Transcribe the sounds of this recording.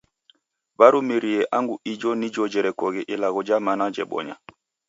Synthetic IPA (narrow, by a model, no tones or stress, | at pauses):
βaɾumiɾiɛʔaŋɡuid͡ʒɔnid͡ʒɔd͡ʒɛɾɛkɔɣiʔilaɣɔd͡ʒamanad͡ʒɛ̰ɓɔ̰ɲa̰